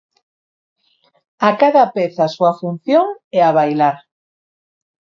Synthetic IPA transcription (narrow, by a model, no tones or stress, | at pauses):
akaðapeθasuafun̟θjoŋɛaβajlaɾ